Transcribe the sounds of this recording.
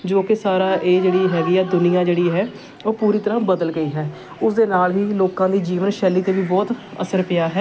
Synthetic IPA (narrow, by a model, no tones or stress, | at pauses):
d͡ʒoːkɪsaːɾaːʔeːd͡ʒeːɽiːɦɛːɡijaːd̪ʊnɪjãːd͡ʒeːɽiːɦɛː | oːpuːɾiːt̪əɾãːbəd̪əlɡəiːɦɛː | ʊsd̪eːnaːlʋiːloːkãːd̪iːd͡ʒiːʋənʃɛːlːiːt̪eːʋiːbɔːt̪ə̰səɾpɪjaːɦɛː